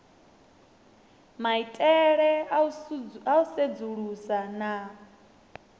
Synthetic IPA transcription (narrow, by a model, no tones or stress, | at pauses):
maitʼɛɺɛ | aused͡zuɺusana